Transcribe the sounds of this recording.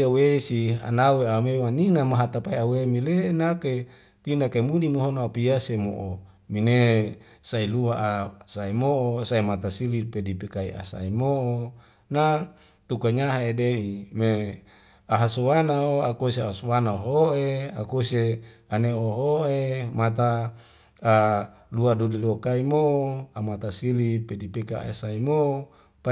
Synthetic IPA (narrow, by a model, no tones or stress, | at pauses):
awesia̰naweamewaninamaɦat̪apaiawemilenake | t̪inakemunimiɦonoapiasemo̰ʔo | mine | sailuwaʔasaemoosaemat̪asilipedipikaḭa̰sa̰emoʔo | nat̪ukaɲaɦaedeime | aɦasowanaoakoseasowanaoɦoʔeakoseaneoɦoemat̪aː | luadudiluakaimooamat̪asilipedipekaa̰saimo | pa